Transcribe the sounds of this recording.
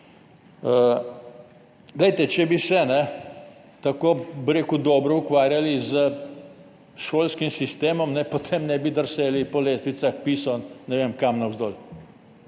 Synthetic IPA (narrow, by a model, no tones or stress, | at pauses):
ə | ɡlɛjt̪ɛt͡ʃɛbisɛnɛ | t̪akoːbiɾeːkud̪ɔːbɾɔukʋaːɾjalizə | ʃoːlskimsist̪eːmɔmnɛpot̪ʰeːmnɛbid̪əɾseːlipɔleːst̪ʋisaxpiːsɔnnɛʋemkamnɐwzd̪oːl